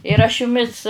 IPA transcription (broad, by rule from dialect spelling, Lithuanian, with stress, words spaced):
ɪr ɐʃ jʊˈmʲɪs